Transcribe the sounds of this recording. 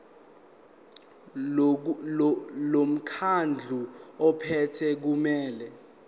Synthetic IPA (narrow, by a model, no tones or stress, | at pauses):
lom̩kʰand͡ɮʱuɔpʰɛtʰɛk̬umɛːlɛ